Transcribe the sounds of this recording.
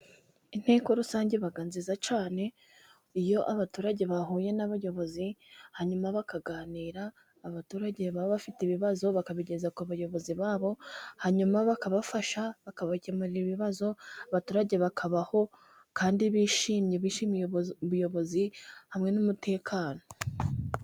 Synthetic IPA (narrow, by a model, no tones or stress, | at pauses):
in̥he̞ːko̞ɾusaːɲɟe̞βaɡaːnzizat͡ʃaːne̞ | ijo̞ʔaβatuːɾaɟe̞βaɦuːje̞naβajo̞βo̞zihaɲumaβakaɡaːniːɾaː | βatuːɾaɟe̞βaβoβafitiβiβazo̞βakaβiɟe̞zakuβajo̞βo̞ziβaːβo̞haɲumaβakaβafaʃaβakaβacemaɾiiβiβazo̞aβatuːɾaɟe̞βakʰaβaho̞ | kaːndiβiːʃiːmɲe̞βiːʃimβujo̞βo̞zihamŋe̞numute̞ːkʰaːno̞